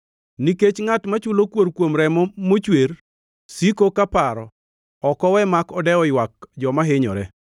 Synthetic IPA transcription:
niket͡ʃŋatmat͡ʃʊlokwoɾkwomɾɛmɔmot͡ʃweɾ | sikokapaɾɔ | ɔkɔwɛmakɔdɛɔɪwak̚d͡ʒɔmaɦɪɲɔ̰ɾɛ

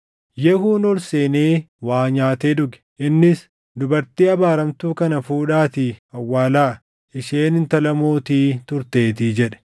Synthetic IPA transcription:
jɛhuːnɔlseːneːwaːɲaːt̪eːᶑʊɡɛ̥ | ɪnːɪs | d̪ʊbɐɾt̪iːɐbaːɾɐmt̪uːkɐnɐfuːᶑaːt̪ɪɐwːaːlaː | ɪʃeːnɪnt̪ɐlɐmoːt̪iːt̪ʊɾt̪e̞ːt̪ɪd͡ʒɛᶑɛ̥

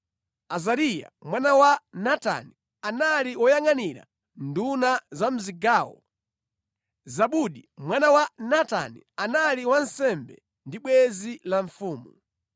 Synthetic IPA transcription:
azaɾija̰mwanawanata̰ni | analiwɔjaŋaniɾa̰ | ndunazam̩ziɡaːwɔ̰ | zaɓuɗimwanawanata̰ni | analiwansɛmbɛ̰ | ndiɓwɛzilaɱfuːmu

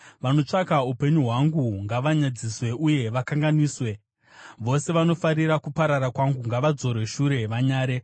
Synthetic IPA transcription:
ʋano̞t͡ʂakaupe̞ɲuɦwaŋɡuŋɡaʋaɲad͡ziswe̞ʔuje̞ʋakaŋɡaniːswe̞ | ʋo̞se̞ʋano̞faɾiɾakupaɾaɾakwaŋɡuŋɡaʋad͡zo̞ɾwe̞ʃuɾe̞ʋaɲaːɾe̞

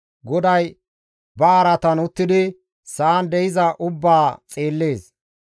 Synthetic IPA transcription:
ɡɔd̪ɐj | bɐːɾɐt̪ɐnʊt̪ːɪd̪ɪ | saːnd̪ɛɪzɐʔʊbːaːt͡sʼeːlːe̞ːs

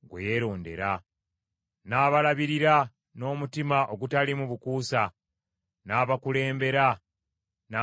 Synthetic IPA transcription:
ɡwḛjeɾo̞ːnde̞̰ɾa | naːβalaβiɾiɾa | no̞ːmutimaʔoɡutalimuβukuːsa | naːβakule̞ːmbe̞ɾa | na

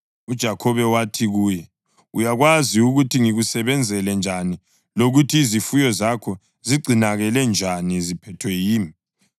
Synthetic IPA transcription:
ud̥ʒ̥ʱakʰɔβɛwatʰiɣuːjɛ | ujaɣwaziuɣutʰiŋiɣusɛβɛnd͡zʱɛlɛnd͡ʒʱani | loɣutʰiːzifujɔzakʰɔ | ziɡ͡ǀʱinaɣɛlɛnd͡ʒʱanizipʰɛtʰwɛjiːmi

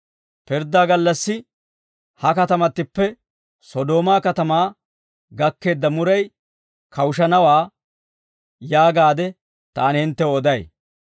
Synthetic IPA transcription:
pɪɾd̪aːɡɐlːɐsːɪ | hɐkɐt̪ɐmɐt̪ːɪpːɛ | sɔd̪o̞ːmaːkɐt̪ɐmaː | ɡɐkːe̞ːd̪ːɐmʊɾɐj | kʰɐwʊʃɐnɐwaː | jaːɡaːd̪ɛ | t̪aːnhɪnt̪ːɛwɔd̪ɐj

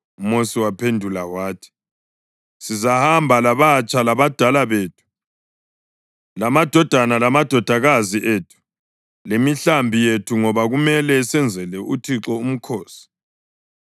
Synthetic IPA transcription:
umosiwapʰendʱulawaːtʰi̥ | sizahambʱalaβat͡ʃʼʰalaβad̥ʱalaβeːtʰu̥ | lamad̥ʱɔd̥ʱanalamad̥ʱɔd̥ʱaɣaziʔeːtʰu̥ | lemiɬambʱijetʰuŋɔβaɣumɛlɛsɛnd͡zʱɛlɛʔutʰiǁɔum̩kʰoːsi̥

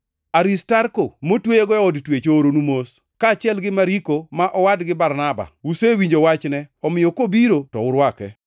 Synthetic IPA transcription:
aɾistaɾkomotwejeɡɔjɔɔdtwet͡ʃooɾonumos | kaːt͡ʃɪɛlɡɪmaɾikomaʔɔwadɡɪbaɾnaba̰wusewiɲd͡ʒowat͡ʃnɛɔmɪjokobiɾotɔ̰ʊɾwakɛ̰

